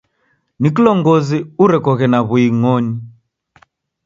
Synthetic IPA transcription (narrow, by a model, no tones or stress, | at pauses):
nikilɔŋɡɔziuɾɛkɔɣɛnaβuiŋɔni